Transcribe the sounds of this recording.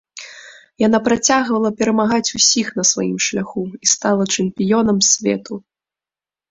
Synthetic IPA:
jan̪apɾat͡sʲaɣvɐlˠɐpʲɛɾɐmaɣat͡sʲusʲixnɐsvajḭmʂlʲaxuist̪alˠɐt͡ʂɛmpʲijɔnɐmsʲvʲɛ̰t̪u

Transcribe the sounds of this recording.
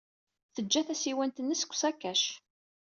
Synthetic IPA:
θəd͡ʒːæθæsiwænt̪ənːəsə̥kʷːsækːæʃ

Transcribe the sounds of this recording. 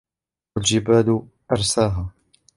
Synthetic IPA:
ald͡ʒɪbaːd̪ | ʔɑɾˤsaːɦaː

